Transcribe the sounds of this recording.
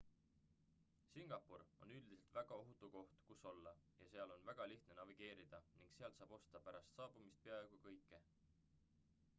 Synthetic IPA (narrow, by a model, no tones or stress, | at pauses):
siŋɡ̥ɑpːuɾo̞̰nyld̪ise̞lt̪væɡ̥ɑo̞ɦut̪ːˑuko̞ht̪kuso̞lːɑjɑse̞ɑlo̞nvæɡ̥ɑliht̪ne̞nɑviɡ̥e̞ːɾid̪̥ɑniŋɡ̥seɑlsɑːb̥o̞st̪ɑpæɾɑst̪sɑːb̥umist̪̚pe̞ɑeɡ̥ukɤjkːe̞